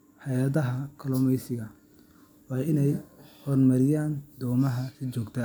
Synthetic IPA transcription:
ħɑjaðɐɦɐkʰɐlɔːmɛjsɪɣɐ | wɑːɪnɛjhɔːrmɐɾɪjaːnd̪ɔːmɐɦɐsɪt͡ʃɔːɡt̪ʰɐ

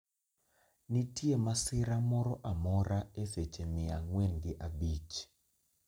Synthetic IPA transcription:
nitjemasɪɾamɔɾɔʔamɔɾaeset͡ʃemɪaŋwenɡɪʔabit͡ʃ

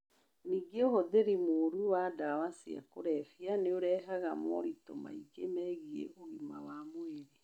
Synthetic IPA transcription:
niɡeohoðeɾimoɾuwadawasia̰koɾɛfianeoɾɛɦaɣamɔ̰ɾitoma̰iɡemɛɣiḛʔoɣima̰wamoeɾe

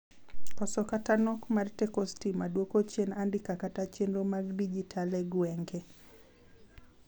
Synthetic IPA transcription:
ɔsɔkatanɔkmaɾtɛkɔstimaɗwokɔt͡ʃenandikakatat͡ʃenɾɔmaɡdid͡ʒitʰalɛɡwɛŋɡɛ

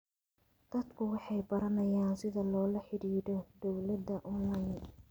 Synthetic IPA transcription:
d̪̥ɐd̪kʰʊwɑħɑjbɐɾɐnɐjaːnsɪðɐlɔːlɐħɪɽiːɾɔd̪ɔwlɐd̪ːɐʔɔnlɐjn

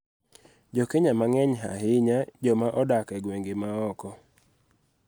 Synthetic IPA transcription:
d͡ʒɔkeɲamaŋɛɲɦa̰ɦɪɲad͡ʒɔmaʔɔdakɛɡweŋɡemaɔkɔ

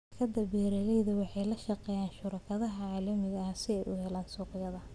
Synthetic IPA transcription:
kʰɐd̪ɐbɛːɾɐlɛjðɐwɑħɑjlɐʃɑqɛːjaːnʃʊɾɐkʰɐðɐɦɐʕaːlɐmɪɣɐsɪɛjʔʊɦɛlaːnsuːqjɐðɐ

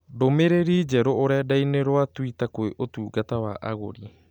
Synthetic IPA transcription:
ɾomeɾeɾid͡ʒaɾoʔoɾadajneɾoat̪uit̪akojʔot̪uɡat̪awa̰ʔa̰ɡo̰ɾi

